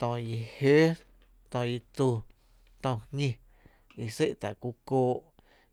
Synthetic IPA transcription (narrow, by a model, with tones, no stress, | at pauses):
t̪ɔ̃˧˨ji˨heː˦ | t̪ɔ̃˧˨ji˧t͡s̪u˧ | t̪ɔ̃˧˨hɲĩ˧ | i˧se˦ʔt̪a˨ku˧koː˧˦ʔ